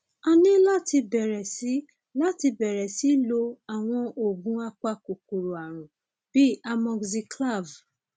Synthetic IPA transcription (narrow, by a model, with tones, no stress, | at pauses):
a˧nĩ˦la˦ti˧bɛ˨ɾɛ˨si˨˦ | la˦ti˧bɛ˨ɾɛ˨si˨˦lo˧a˨w̃ɔ̃˧ʔo˨ɡũ˨˦a˦k͡pa˦ko˨ku˨ɾo˨a˨ɾ̃ũ˨ | b̥i˦a˧mɔ̃˧ɡzi˧kla˦˨v